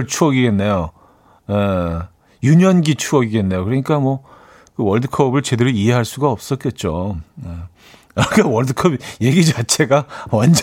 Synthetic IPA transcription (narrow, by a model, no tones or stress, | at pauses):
ɭt͡ɕʰuʌɡiɡe̞nːejo | je | juɲʌnɡit͡ɕʰuʌɡiɡe̞nːe̞jokɯɾʌɲik͈amwʌ | kɯwʌɭdɯkʰʌbɯɭt͡ɕe̞deɾuiɦe̞ɦaɭs͈uɡaʌp̚s͈ʌt̚k͈e̞t̚t͡ɕ͈oe | aikawʌɭdɯkʰʌbje̞ɡit͡ɕat͡ɕʰe̞ɡawand͡ʑ